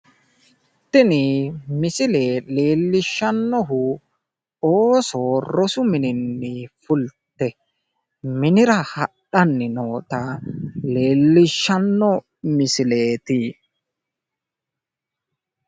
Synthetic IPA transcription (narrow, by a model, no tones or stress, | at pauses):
t̪ːɪnɪmɪsɪleːle̞ːlːɪʃːɐnːɔɦʊ | oːsoːɾɔsʊmɪnɪnːɪfʊlt̪ːɛ | mɪnɪɾɐhɐɗɐnːɪnoːt̪ɐle̞ːlːɪʃːɐnːɔ | mɪsɪle̞ːt̪i